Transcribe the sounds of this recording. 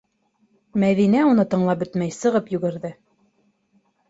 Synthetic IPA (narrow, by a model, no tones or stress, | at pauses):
mæðinæunɤt̪ɤ̆ɴlˠɑp̚bɵt̪mæjsɤ̆ʁɤpjʉ̆ɡɘ̆ɾðɘ